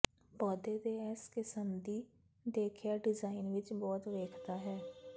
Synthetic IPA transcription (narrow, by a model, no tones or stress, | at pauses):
pɔːd̪eːd̪eːɛskɪsəmd̪iː | d̪eːkʰjaːɖɪzaːɪnʋɪt͡ʃbɔːt̪ʋeːkʰd̪aːɦɛː